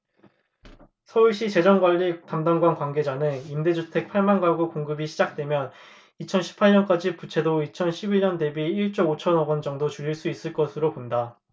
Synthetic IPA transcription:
sʰʌuɭɕ͈it͡ɕe̞d͡ʑʌŋɡwaʎːitamdaŋɡwankwanɡe̞d͡ʑanɯnimde̞d͡ʑutʰe̞k̚pʰaɭmanɡaɡukoŋɡɯbiɕʰid͡ʑak̚t͈we̞mjʌn | it͡ɕʰʌnɕʰi̥pʰaɭɲʌnk͈ad͡ʑiput͡ɕʰe̞doit͡ɕʰʌnɕʰibiɲʌnde̞biiɭt͡ɕ͈oot͡ɕʰʌnʌɡʌnd͡ʑʌŋdot͡ɕuɾiɭs͈uis͈ɯɭk͈ʌsʰɯɾoponda

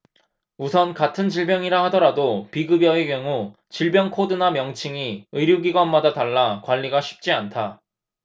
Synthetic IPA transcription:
usʰʌnkatʰɯnd͡ʑiɭbjʌŋiɾahadʌɾadopiɡɯbjʌekjʌŋu | t͡ɕiɭbjʌŋkʰodɯnamjʌŋt͡ɕʰiŋiɯɾjuɡiɡwanmadataɭːakwaʎːiɡaɕʰi̥p̚t͡ɕ͈iantʰa

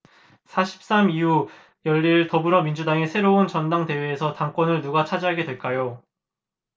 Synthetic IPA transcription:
sʰaɕʰi̥p̚s͈amiu | jʌʎːiɭtʌbɯɾʌmind͡ʑudaŋesʰe̞ɾount͡ɕʌndaŋte̞we̞ːsʰʌtaŋk͈wʌnɯɭnuɡat͡ɕʰad͡ʑiɦaɡe̞dwe̞ɭk͈ajo

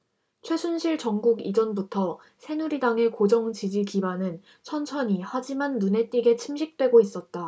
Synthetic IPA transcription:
t͡ɕʰwe̞sʰunɕʰiɭt͡ɕʌŋɡuɡid͡ʑʌnbutʰʌ | sʰe̞nuɾidaŋe̞kod͡ʑʌŋt͡ɕid͡ʑikibanɯn | t͡ɕʰʌnt͡ɕʰʌɲihad͡ʑimanːune̞t͈ʼiɡe̞t͡ɕʰimɕʰik̚t͈we̞ɡois͈ʌt̚t͈a

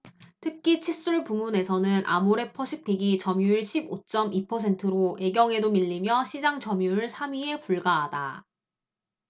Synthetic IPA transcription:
tʰɯkʰit͡ɕʰis͈uɭpumune̞sʰʌnɯnʔa̰moɾe̞pʰʌɕʰik̚p͈ʰiɡit͡ɕʌmjuiɭɕʰibot͡ɕ͈ʌmipʰʌsʰe̞ntʰɯɾoe̞ɡjʌŋe̞domiʎːimjʌɕʰid͡ʑaŋt͡ɕʌmjuɯɭsʰamɥie̞puɭɡaɦada̰

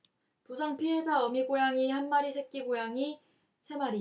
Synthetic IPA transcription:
pusʰaŋpʰiɦe̞sʰaʌmiɡojaŋihanmaɾisʰe̞k̚k͈iɡojaŋi | sʰe̞maɾi

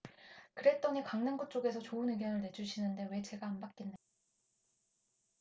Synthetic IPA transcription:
kɯɾe̞t͈ʌɲikaŋnaŋɡot͡ɕ͈oɡe̞sʰʌt͡ɕoɯnɯɡjʌnɯɭne̞d͡ʑuɕʰinɯnde̞we̞t͡ɕe̞ɡaːmbak͈enːa

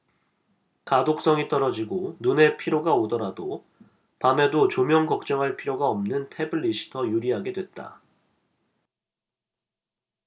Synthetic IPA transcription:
kadok̚s͈ʌŋit͈ʌɾʌd͡ʑiɡonune̞pʰiɾjoɡaodʌɾado | pame̞dot͡ɕomjʌŋkʌk̚t͡ɕ͈ʌŋɦaɭpʰiɾjoɡaʌmnɯntʰe̞bɯɭːiɕʰi̥tʰʌjuɾiɦaɡe̞dwe̞t̚t͈a̰

